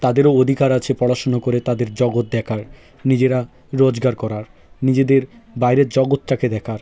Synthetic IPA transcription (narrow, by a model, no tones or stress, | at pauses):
t̪ad̪eɾood̪ʱikaɾat͡ɕʰepɔɽaʃonokoɾet̪ad̪eɾd͡ʑɔɡot̪̚d̪ɛkʰaɾ | nid͡ʑeɾa | ɾod͡ʑɡaɾkɔɾaɾ | nid͡ʑed̪eɾbajɾeɾd͡ʑɔɡot̪̚ʈaked̪ɛkʰaɾ